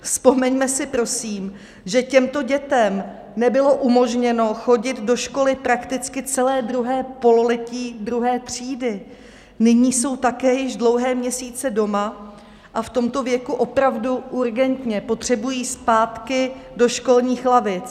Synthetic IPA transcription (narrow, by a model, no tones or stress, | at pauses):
fspo̞mɛɲmɛsɪpɾo̞siːm | ʒɛcɛmt̪o̞ɟɛt̪ɛm | nɛbɪlo̞ʔumo̞ʒɲɛno̞xo̞ɟɪd̪do̞ʃko̞lɪpɾakt̪ɪt͡skɪt͡sɛlɛːd̪ɾuɦɛːpo̞lolɛciːd̪ɾuɦɛːt̪r̝̥iːdɪ | nɪɲiːso̞wt̪akɛːjɪʒdlo̞wɦɛːmɲɛsiːt͡sɛdo̞ma | ʔaft̪o̞mt̪o̞vjɛkuʔo̞pɾavduʔuɾɡɛnt̪ɲɛpo̞t̪r̝̥ɛbujiːspaːt̪kɪdo̞ʃko̞lɲiːxlavɪt͡s